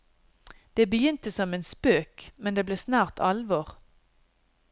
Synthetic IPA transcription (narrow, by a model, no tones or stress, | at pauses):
d̪̥eːbəjʏnt̪əsɔmeːnspøːkmɛnd̪eːbleːsnæːʁt̪ʰɑlʋɔːʁ